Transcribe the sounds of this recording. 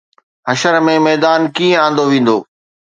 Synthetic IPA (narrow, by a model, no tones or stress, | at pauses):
ɦɐʃəɾmẽmɛːd̪aːnkiːə̃ãːn̆d̪oʋĩːn̆d̪oː